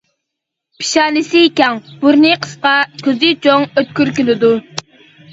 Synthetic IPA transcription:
pʰi̥ʃɑːnɪsɪːkʲɛŋb̥uɾnɨqʰə̥sqɑkʲʰøzɪt͡ʃʰoŋøt̪̚kʲyɾkʲylɪd̪u

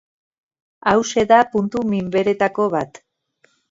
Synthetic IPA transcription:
awse̞ðapunt̪umimbe̞ɾe̞t̪ako̞βat̪

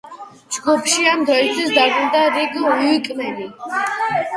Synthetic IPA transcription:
d͡ʒɡupʰʃiamd̪ɾɔit̪ʰisd̪aɾuld̪aɾiɡɦɔikʼmɛli

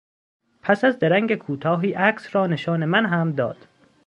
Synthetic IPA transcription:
pʰæsæzd̪eɾæŋɡekʰuːt̪ʰɒːɦiːʔæksrɒːneʃɒːnemænɦæmd̪ɒ̰ːd̪̥

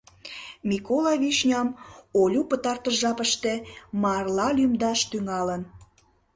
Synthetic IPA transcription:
mʲikolɑβiʃnʲɑmolʲupət̪ɑrt̪əʒɑpəʃt̪emɑrlɑlʲymd̪ɑʃt̪yŋɑlən

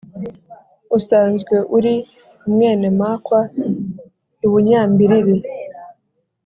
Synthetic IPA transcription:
usaːnzɡwe̞ʔuɾi | umŋe̞ːnemaːkwa | uβuɲaːmbiɾiɾi

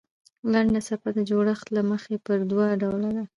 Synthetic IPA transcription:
laɳɖasapad̪əd͡ʒoɽəxt̪laməxepəɾd̪wɑɖawlad̪a

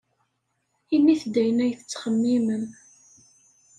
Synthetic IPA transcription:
imːiθd̪ːæjənæjθə̥t͡sːχəmːimən

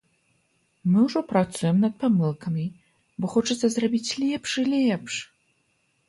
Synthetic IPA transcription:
mɨwʐɔpɾat̪sujɛmnɐt̪̚pamɨlˠkɐmʲi | bɔxɔt͡ʂɐt̪sɐzrabʲit͡sʲlʲɛpʂilʲɛpʂ

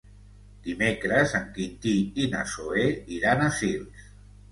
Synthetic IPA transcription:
d̪̥imekɾəzəŋkint̪iina̰soeiɾanasils

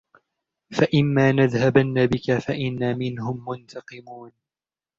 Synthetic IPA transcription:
faʔɪmːaːnaðhabanːabɪkafaʔɪnːaːmɪnhʊmːʊnt̪ʰɑqɨmuːn

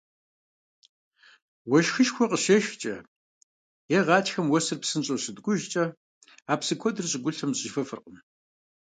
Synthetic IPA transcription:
wɔʃxɨʃxʷʰɔqəʃɐʃt͡ʃʼɐ | jɛʁɑːtxɐmwɔsɨrpsɨnɕʼoɕɨdɡʷʊʒt͡ʃʼɐ | aːpsɨkʷʰɔdɨrɕʼɪɡʷʊɬɐmzʼɪʒfɐfɨ̰rqəm

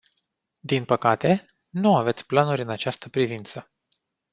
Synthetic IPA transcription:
d̪inpəkat̪e̞ | nuave̞t̪sʲplanuɾʲɨnat͡ʃast̪əpɾivint̪sə

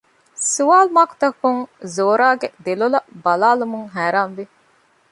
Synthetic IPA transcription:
suʋaːlumaːku̥t̪ɐkuŋzoːɾaːɡed̪elulɐbɐlaːlumuŋɦæːɾaːnʋi

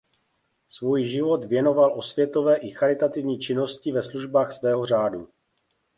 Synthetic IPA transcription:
svuːjʒɪvo̞t̪vjɛno̞valʔo̞svjɛt̪o̞vɛːʔɪxaɾɪt̪at̪ɪvɲiːt͡ʃɪno̞scɪvɛsluʒbaːxsvɛːɦo̞r̝aːdu

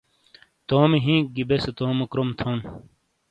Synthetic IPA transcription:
t̪oːmiɦĩːɡibeset̪oːmokɾomt̪ʰon

